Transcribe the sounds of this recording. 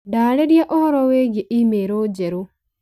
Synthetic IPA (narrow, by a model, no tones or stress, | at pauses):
daːɾedjaʔɔhɔɾɔweɡeʔimeɾoːd͡ʒeɾo